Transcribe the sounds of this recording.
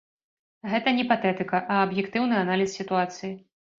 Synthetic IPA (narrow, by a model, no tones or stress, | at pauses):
ɣɛt̪ɐnʲɛpat̪ɛt̪ɨkɐʔɐɐbjɛkt̪ɨwnɨanalʲissʲit̪uat̪sɨji